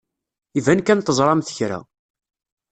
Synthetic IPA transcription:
ivænkænt̪əzˤɾˤɑmθə̥çɾæ̰

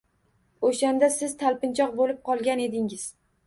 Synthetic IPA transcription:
oʃand̪asɪz̥t̪ʰalˠpɪnt͡ʃʰɒqbolɪp̚qʰɒlˠɡʲane̞d̪ɪŋɪz̥

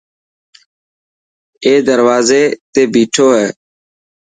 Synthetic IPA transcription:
eːd̪əɾʋaːzeːt̪eːbiːʈʰoːɦɛː

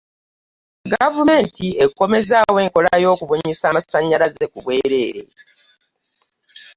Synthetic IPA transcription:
ɡavume̞ːntie̞kːo̞me̞zaːwe̞ːŋko̞lajo̞ːkuβoɲisaːmasaɲːalazekuβwe̞ːɾe̞ːɾe̞̰

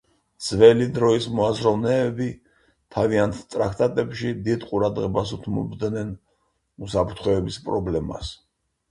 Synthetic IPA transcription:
d̪z̥vɛlid̪ɾɔismɔazɾɔvnɛːbi | t̪ʰaviant̪ʰt̪ʼɾak̚ʰt̪ʼat̪ʼɛpʃid̪id̪qʼuɾad̪ʁɛbasut̪ʰmɔ̰bd̪nɛn | usapʰɾt̪ʰχwɛɛbispʼɾɔblɛma̰s

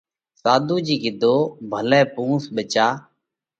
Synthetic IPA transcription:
saːd̪ʱuːd͡ʒiːɡɪd̪ʱoːbʱəlɛːpũːsɓət͡ʃaː

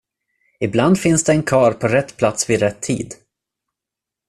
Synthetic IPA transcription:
ɪbland̪fɪnsd̪ɛɛnkʰɑːɾpʰɔɾɛt̪ːpʰlat̪svɪɾɛt̪ʰːḭːd̪

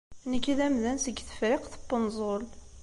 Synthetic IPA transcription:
nəkːiðæmðænsəɡθə̥fɾɪqθə̥bːənzˤol

